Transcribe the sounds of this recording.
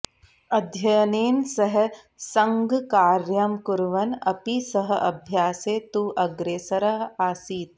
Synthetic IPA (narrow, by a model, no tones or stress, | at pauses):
ɐd̪ʱjɐjneːnsɐɦ | sɐ̃ŋɡkaːɾjɐmkʊɾʋɐnɐpisɐɦɐʔɐbʱjaːseːt̪uːʔɐɡɾeːsɐɾɐɦaːsiːt̪̚